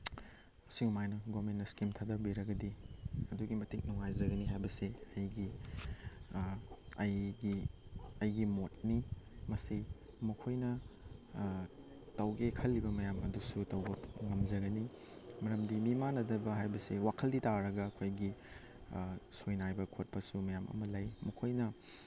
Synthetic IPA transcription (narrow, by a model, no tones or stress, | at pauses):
ɐsiɡumajnɐɡomenːɐskimtʰadɐbiɾɐɡɐdiɐduɡimɐtik̚nuŋajzɐɡɐniɦajbɐseɐjɡi | ɐjɡiɐjɡimot̚nimɐsi | mɐkʰojnɐ | tɐwɡekʰɐlːibɐmɐjamɐdusutɐwbɐŋɐmzɐɡɐni | mɐɾɐmdimimanɐdɐbɐɦajbɐsewakʰɐlditaɾɐɡɐːkʰojɡi | sojnajbɐkʰot̚pɐsumɐjamʔɐ̰mɐlɐjmɐkʰojnɐ